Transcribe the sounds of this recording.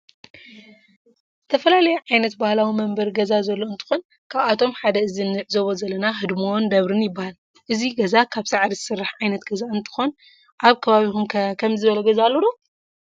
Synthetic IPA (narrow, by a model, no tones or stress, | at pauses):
z̥ɨt̪ʰɐfɐlalɐjɛʕajnɐt̪bahlawimɐmbɐɾɡɐzazɐlːo̞ɨnt̪ʰɨ̥xon | kʰaβat̪ʰo̞mħad̪ɐɨzinːɨʕzoβozɐlːɐnaɦɨd̪mo̞nd̪ɐβɾɨnjɪbːahal | ʔɨziɡɐzakʰaβsaʕɾizɨsɨrːaħʕajnɐt̪ɡɐzaɨnt̪ʰɨ̥xon | ʔaβkʰɐβaβixumkʰɐmzɨβɐlɐɡɐzalːoɾo